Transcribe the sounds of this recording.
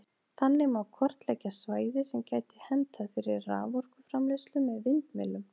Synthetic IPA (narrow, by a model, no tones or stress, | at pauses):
θanːɪmawkʰɔr̥t̪lɛcːasvaːjðɪsɛmcaːjt̪ɪ̥hɛnt̪ʰaðfɪɾɪɾra̰ːvɔr̥kʏfɾamleslʏmɛðvɪnt̪mɪ̰lːʏm